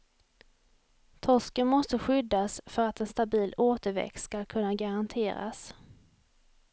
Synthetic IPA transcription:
t̪ʰɔʂkənmɔst̪əɧʏd̪ːasfœɾat̪ɛnst̪abiːloːt̪əɾvɛ̰kt̪skalkʰɵnːaɡaɾant̪ʰeːɾa̰s

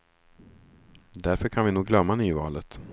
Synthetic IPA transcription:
d̪æɾfœɾkʰanvɪnuːɡlœmːanyːvɑːlət̪

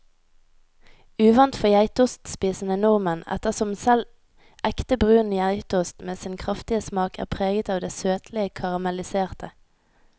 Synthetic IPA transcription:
ʉːʋɑnt̪fɔjæɪt̪ʊst̪spiːsnənʊʁmənɛ̰t̪əʁsɔmsɛl | ʔɛkt̪əbʁʉːənəjæɪt̪ʊst̪meːsɪnkʰʁɑft̪ɪəsmɑːkʰæ̰ːʁpʰʁeːɡət̪ɑːʋd̪eːsøːt̪ʰlɪəkʰɑʁɑmɛlɪseːʁt̪ʰə

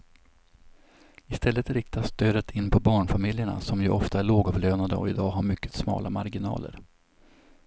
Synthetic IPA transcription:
ɪst̪ɛlːət̪ɾɪkt̪ast̪øːd̪ət̪ʰɪnːpʰɔbɑːɳfamɪljəɳa̰sɔmjɵʔɔft̪aæɭoːɡɔvløːnad̪əɔ̰ɪd̪ɑːɦaɾmʏkːə̥t̪smɑ̰ːlʔa̰maɾɡɪnɑ̰ːlə̰ɾ

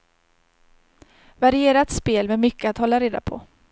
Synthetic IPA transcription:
vaɾɪeːɾat̪speːlmɛmʏkːəat̪hɔlːaɾeːd̪a̰pʰɔ̰

